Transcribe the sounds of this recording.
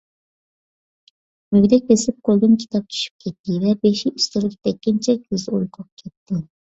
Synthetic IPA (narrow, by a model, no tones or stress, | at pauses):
myɡʲd̪ɛk̚ʲesɪp̚qʰolˠɡ̪ɨnkʲʰi̥t̪ʰɑp̚t͡ʃʰy̥ʃy̥p̚kʲʰɛt̪ːɪvɛbeʃiʔyst̪ɪlɪkʲd̪ɛkʲːint͡ʃʰɛkʲʰyzojqʰoq̚kʲʰɛt̪ʰːɪ